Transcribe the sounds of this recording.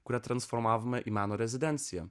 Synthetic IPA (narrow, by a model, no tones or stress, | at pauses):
kuɾɐt̪ɾɐ̃nsfɔɾmavɐmɛʔimanoɾɛzid̪ɛ̃nt̪sjɐ̰